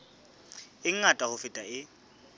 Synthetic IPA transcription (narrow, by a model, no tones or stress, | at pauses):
ɪŋ̩atʼahʊfɪtʼaɪ